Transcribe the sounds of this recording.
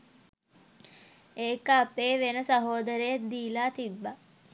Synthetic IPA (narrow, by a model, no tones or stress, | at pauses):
eːkəːpeːʋenəsaɦoːd̪əɾejet̪̚d̪iːlaːt̪ibːa